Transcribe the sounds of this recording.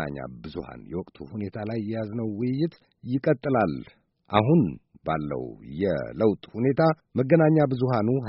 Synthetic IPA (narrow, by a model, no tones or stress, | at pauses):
a̰ɲːa̰bɨzuha̰njɛwɔkʼt̪ʰuhune̞t̪ʰalajːɛjaznəwwʊjːɪt̪ʰ | jɪkʼət̪ʼːɨlal | ʔaɦunbalːə̰wjɛ̰ləwt̪ʼhune̞t̪ʰa | məɡənaɲːabɨzuɦanuɦ